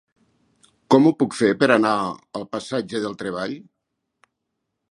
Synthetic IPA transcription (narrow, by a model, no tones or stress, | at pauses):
kɔmupukfepəɾanaəlˠpasad͡ʒəðəlˠt̪ɾeβ̞aʎ